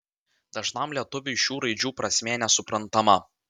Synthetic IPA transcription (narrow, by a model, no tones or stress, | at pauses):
d̪̥ɐʒnɐmlʲiɛt̪ʊʋʲɪʃʲuːɾɐɪd͡ʒʲuːpɾɐsʲmʲeːnʲɛsʊpɾɐnt̪ɐmɐ